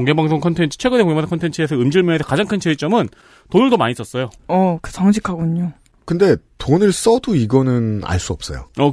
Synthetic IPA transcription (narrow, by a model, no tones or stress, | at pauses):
oŋɡebaŋsʰoŋkʰʌntʰe̞nt͡ɕʰɯ̥t͡ɕʰwe̞ɡɯnekoŋeaŋsʰoŋkʰntʰent͡ɕʰɯes̬ʰʌɯmd͡ʑɯɭmjʌŋes̬ʰʌkad͡ʑaŋkʰɯnt͡ɕʰeit͡ɕ͈ʌmɯn | tonɯɭdomaɲis͈ʌs͈ʌjoʌkɯ̥sʰʌŋɕ̬ʰikʰaɡoɲo | kɯnde̞tonɯɭs͈ʌduiɡʌnɯna̰ɭs͈uʌp̚s͈ʌ̰jo̰ʌ